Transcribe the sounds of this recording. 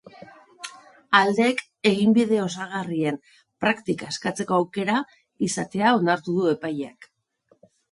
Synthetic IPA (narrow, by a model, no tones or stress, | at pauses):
ald̪e̞k | e̞ɣ̞imbiðe̞o̞s̬aɣ̞arie̞n | pɾakt̪ikaeskat͡se̞ko̞awke̞ɾa | isat̪e̞ao̞naɾt̪uðue̞pajak